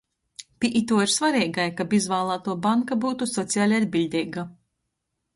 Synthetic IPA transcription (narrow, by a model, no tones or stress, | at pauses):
pʲiʔit̪uɔiɾsvaɾiːɡajkabizvaːlˠaːt̪uɔbaŋkabuːt̪usɔt̪sʲiaːlʲad̪̚ʲbʲilʲd̪ʲɛjɡa